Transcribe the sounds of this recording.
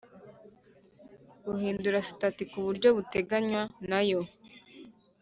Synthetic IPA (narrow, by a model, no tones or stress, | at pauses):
ɡ̥uhiːnduɾasi̥tatikuβuɾɟo̞βute̞ɡaɲwanajo̞